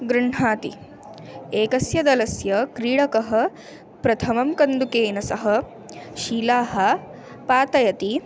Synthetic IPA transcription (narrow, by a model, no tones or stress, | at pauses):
ɡɾuɳ̤aːt̪ḭ | eːkɐsjɐd̪ɐlɐsjɐkɾiːɽɐkɐɦɐ̆ | pɾɐt̪ʰɐmɐmkɐnd̪ukeːnɐsɐɦɐ̆ | ʃiːlaːɦɐ | paːt̪ɐjɐt̪i